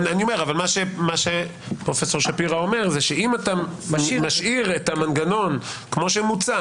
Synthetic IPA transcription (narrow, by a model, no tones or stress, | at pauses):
aniome̞ʁavalmaʃemaʃe | pʁo̞feso̞ʁʃapiʁao̞me̞ʁzeʃeimatamaʃʔiʁetamanɡano̞nkmo̞ʃemut͡sa